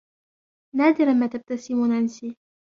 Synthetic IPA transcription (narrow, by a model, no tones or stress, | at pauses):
naːd̪ɪɾanmaːt̪ab̚t̪asɪmʊnʔansiː